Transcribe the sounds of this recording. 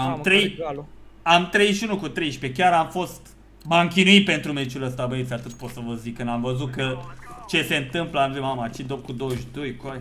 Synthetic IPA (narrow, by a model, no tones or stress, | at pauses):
amt̪ɾej | amt̪ɾe̞jʃunukut̪ɾe̞jʃpe̞kʲaɾamfo̞st̪ | maŋkʲinuit̪̚pe̞nt̪ɾumet͡ʃuləst̪abəetsʲat̪ɨt̪̚pot̪səvəzikːɨnd̪amvəzut̪̚kət͡ʃe̞se̞ɨnt̪ɨmpləanpɾimmamat͡ʃid̪op̚kud̪owʃd̪ojkoa